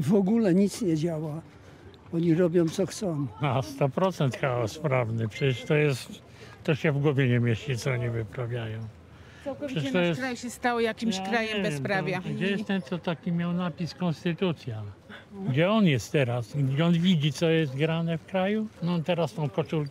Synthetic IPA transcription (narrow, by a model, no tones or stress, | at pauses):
vɔɡulɛɲit̪sɲɛd͡ʑawa | ɔɲiɾɔbʲjɔ̃w̃t̪sɔxt̪sɔ̃w̃ast̪ɔpɾɔt̪sɛnt̪xaɔspɾavnɘpʂɛɛʂt̪ɔjɛst̪ | t̪ːɔɕɛvɡwɔvʲjɛɲɛmʲjeɕt͡ɕit̪sɔɔɲivɪpɾavʲjajɔ̃w̃ | pʂɛʂt̪ɔjɛsajɕɛst̪awɔjakʲimɕkɾajɛmbɛspɾavjaɡd͡ʑɛjɛst̪ɛmt̪sɔt̪akʲimʲjawnapʲiskɔnst̪ɘt̪ut̪sʲjaɡd͡ʑɛɔnjɛst̪t̪ːɛɾasɡd͡ʑɛɔnvʲid͡ʑit̪sɔjɛst̪ɡɾanɛfkɾajunɔt̪ɛɾast̪ɔ̃w̃kɔt͡ʂulk